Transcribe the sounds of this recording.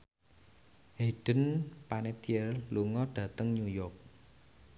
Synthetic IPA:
heɖ̥ə̤npanet̪iɛrluŋɔɖ̥ä̤t̪əŋɲujɔrk̚

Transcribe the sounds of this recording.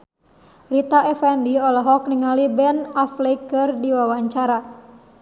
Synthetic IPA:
rit̪aʔɛfɛndiɔlɔɦɔk̚niŋalibɛnaflekːɨrdiwawaɲt͡ʃaɾa

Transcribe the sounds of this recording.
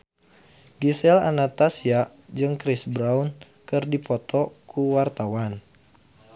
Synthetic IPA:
ɡisɛla̰nat̪asia | d͡ʒɨŋkɾisbɾaun | kɨrdipɔt̪ɔkʰuwart̪awan

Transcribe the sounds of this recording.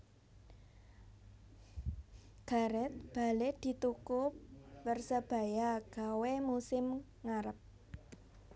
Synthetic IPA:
ɡ̥a̤ɾɛt̪̚b̥a̤led̪̥i̤t̪ukʊp̚wərsəb̥a̤jaɡ̥awemusɪm | ŋaɾəp̚

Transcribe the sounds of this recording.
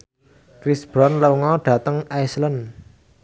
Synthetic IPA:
kɾisb̥ɾɔnləŋɔɖ̥ä̤t̪əŋʔajslən

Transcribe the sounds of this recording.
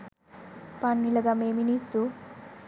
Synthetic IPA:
panmilɐɡameminisu

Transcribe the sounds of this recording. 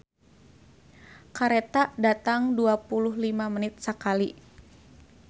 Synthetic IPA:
kaɾɛt̪adat̪aŋduapulʊɦlimamənɪt̪̚səkali

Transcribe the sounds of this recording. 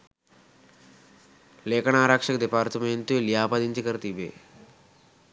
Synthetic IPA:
leːkʰɐɳaːɾakʂɐkɐd̪epaːɾt̪ɐmenʈuljaːpɐd̪iɲt͡ʃikɐɾt̪ibḛ

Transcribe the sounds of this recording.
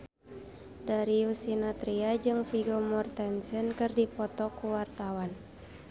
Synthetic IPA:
daɾiusinat̪ɾiad͡ʒɨŋfiɡɔmɔrt̪ɛnsɛnkɨrdipɔt̪ɔkuwart̪awan

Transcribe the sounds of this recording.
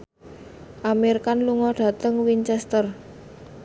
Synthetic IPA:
ʔamerkanluŋɔɖ̥ä̤t̪əŋwint͡ʃɛst̪ər

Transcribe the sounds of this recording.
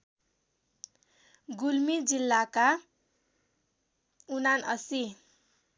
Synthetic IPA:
ɡulmid͡zilːaka | unanʌ̰si

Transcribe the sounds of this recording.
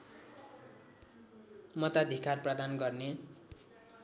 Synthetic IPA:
mʌt̪ad̪ʱikarprʌd̪anɡʌrne

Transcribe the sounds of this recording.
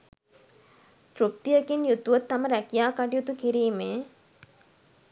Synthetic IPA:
t̪ɾup̚t̪ijəkinjut̪ːuʋət̪ːaməɾækijaːkaʈijut̪ukiɾiːmeː

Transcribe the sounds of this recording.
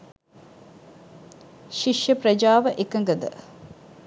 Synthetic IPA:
ʃiʂjəpɾɐd͡ʒaːʋəʔekəŋɡəd̪ə̰

